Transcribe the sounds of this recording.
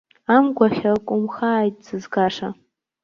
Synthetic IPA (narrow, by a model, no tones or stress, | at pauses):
amɡʷaχʲɐrkʷʼʊmxaːjtʼzɨzɡaːʂa